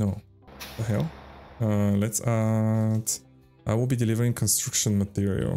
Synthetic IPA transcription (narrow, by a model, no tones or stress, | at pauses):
noʊ | ɦɛlʌlɛtsat | ʔaɪwɪlˠbidɨlɪvə˞ɪ̃ŋkʰə̃nstɹ̥akʃə̃nmət̪ɪɹḭə̰lˠ